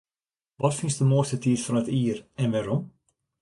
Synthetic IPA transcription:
ʋɔtfɪnsdəmoəstətiːtfɔnətiərɛnʋaːɾɔm

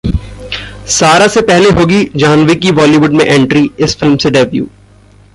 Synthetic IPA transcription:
saːɾasepɛɦleɦoːɡid͡ʒaːnʋekiʋɔːliʋʊɖmẽʔɛ̃ɳʈɾiɪsfɪlmseɖɛʋjṵː

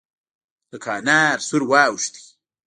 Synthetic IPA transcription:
d̪̥əkʰaːnaːɾsuɾwaːwuʃt̪i̥

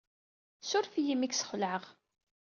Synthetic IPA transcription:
sʊɾfijimiksə̥χləʕəʁ

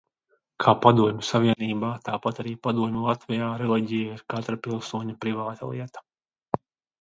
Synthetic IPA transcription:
kʰaːpad̪uɔmʲusavʲiɛniːbaːt̪aːpat̪aɾiːpad̪uɔmʲulˠat̪vɛjaːɾɛlˠɛɟijaiɾkat̪ɾapʲilˠsuɔɲapɾivaːt̪a̰lˠiɛt̪ḁ

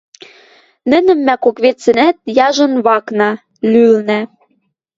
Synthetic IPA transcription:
nɘ̆nə̆mːækokβet͡sɘ̆næt̪̚jɑʒɤ̆nβɑknɑ | lylnæ

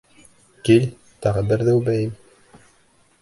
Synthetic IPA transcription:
kilʲ | t̪ɑʁɤbɘɾðɘwbæjɘm

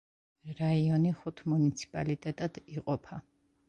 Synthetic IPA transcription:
ɾaiɔniχut̪ʰmunit̪sʰi̥pʼalit̪ʼɛt̪ʼad̪̥iqʼɔpʰa

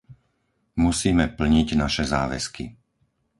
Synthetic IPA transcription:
musiːmɛpl̩ɲiɟnaʃɛzaːʋɛ̰ski

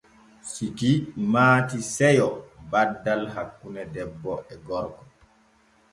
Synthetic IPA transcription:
sikimaːtisɛjɔbadːalɦakːunɛdɛbːɔʔɛɡɔɾkɔ

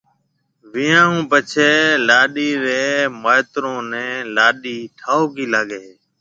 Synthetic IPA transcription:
ʋɪjãːũːpət͡ʃʰeːlaːɗiːɾeːməet̪ɾõːnɛ̃ːlaːɗiːʈʰaːoːkiːlaːɠeː

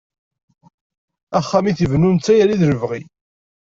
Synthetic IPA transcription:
æχːæmiθivnunt͡sːæjæliðɾəvʁi

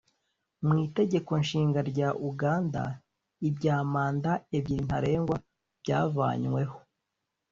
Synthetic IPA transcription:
mŋiːte̞ɟe̞ko̞nʃiːŋɡaɾɟaʔuɡaːnda̰ | ibɟaːmaːndaebɟiɾin̥haɾe̞ːŋɡwa | b̥ɟaːva̰ːɲwe̞ho

